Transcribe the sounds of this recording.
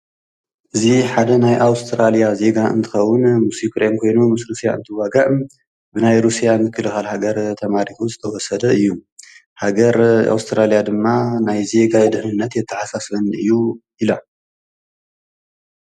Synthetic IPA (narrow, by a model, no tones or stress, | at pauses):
ʔɨziħad̪ɐnajʔawst̪ʰɾalijaze̞ɡaɨ̰nt̪ʰɨ̥xɐwːʊnmusikʰɾemkʰo̞jnumɨsɾusija̰ʔɨ̰nt̪ʰɨwaɡaʔɨm | bɨnajɾusijamɨkʰːɨlɨxalhaɡɐɾt̪ʰɐmaɾit̪ʰuzɨt̪ʰɐwɔsɐd̪ɐɨjːu | haɡɐɾa̰wst̪ʰɾalijad̪ɨmːanajze̞ɡad̪ɨhnɨnːɐt̪jɛt̪ʰːɐħasasbɐnɨjːuʔilo